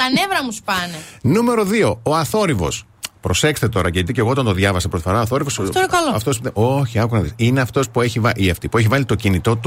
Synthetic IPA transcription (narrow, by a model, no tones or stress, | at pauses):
t̪ɐnevɾɐmuspɐnenume̞ɾo̞ðio̞oɐθo̞ɾivo̞̰s | pɾo̞se̞kst̪e̞t̪o̞ɾɐceit̪ice̞ɣoot̪ɐnt̪oðʝɐvɐsɐpɾoifo̞ɾɐoθo̞ɾivosonkɐloɐft̪oseʔo̞çiɐkunɐðisineɐft̪o̞spue̞çivɐʔiɐft̪ipue̞çivɐlit̪o̞cinit̪o̞t̪u